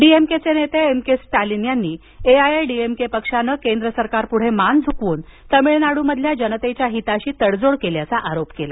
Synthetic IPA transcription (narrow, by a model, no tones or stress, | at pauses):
ɖiemket͡senet̪eemkesʈalinjanːiː | eajajɖiemkepəkʂanəkend̪ɾəsəɾkaɾpuɽ̤emand͡zʱukʋuːnt̪əmiɭnaɽuːməd̪ʱljad͡ʑənət̪et͡ɕjaɦit̪aɕiːt̪əɽd͡zoɽkeljat͡saʔaɾopkela̰